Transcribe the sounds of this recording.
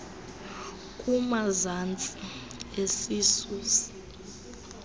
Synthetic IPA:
kʼumazant͡sʼi | esiːsuːsi̥

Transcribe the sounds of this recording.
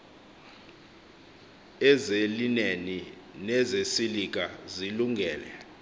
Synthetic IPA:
ɛzelineni | nɛzesilik̬aziluŋʱɛːlɛ

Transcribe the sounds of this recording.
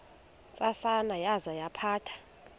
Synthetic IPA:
t͡sʼasanajazajapʰaːtʰḁ

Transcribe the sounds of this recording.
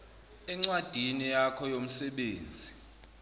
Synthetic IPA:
ɛŋ͡ǀwad̥ʱinijakʰɔjom̩sɛɓeːnd͡zʱi

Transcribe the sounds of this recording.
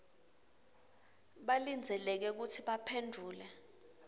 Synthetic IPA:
ɓalind͡zʱɛlɛk̬ɛk̬utʰiɓapʰendʱuːlɛ

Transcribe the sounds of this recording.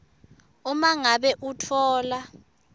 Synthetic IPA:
umaŋaɓɛʔutʰɔːla

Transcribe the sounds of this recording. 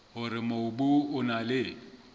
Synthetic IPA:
hʊɾɪmoʊbʊʊnalɪ

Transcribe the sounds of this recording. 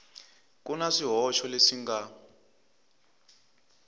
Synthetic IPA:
k̬ʼunaʂiɦɔʃɔlesiŋɡa

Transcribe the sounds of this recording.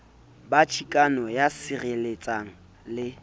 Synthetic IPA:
bat͡ʃʰikʼanɔjasɪrelet͡sʼaŋ̩ | lɪ

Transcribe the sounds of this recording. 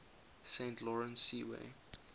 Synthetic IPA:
sẽntʰlɔɹə̃nsːiwḛ

